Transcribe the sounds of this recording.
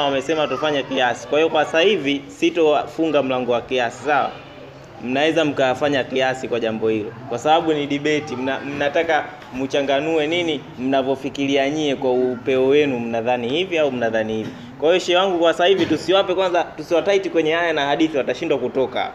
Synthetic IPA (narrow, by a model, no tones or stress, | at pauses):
wamɛsɛmaatɔfaɲakiasi̥kwahiɔkwasahivisitɔfuŋɡam̩laŋɡɔwakiasi̥sawa̰ | m̩nawɛzam̩kafaɲakiasikwaʄambɔhilɔ̰kwasaɓaɓuniɗiɓɛtim̩nam̩nataka | mut͡ʃaŋɡanuɛnini | m̩navɔfikiliaɲiɛkwaupɛɔwɛnum̩naðanihiviaum̩naðanihivi | kwahijɔʃɛwaŋɡukwasahivitusiwapɛkwanzatusiwataitikwɛɲɛhajanahaɗiθiwataʃindwakutɔka̰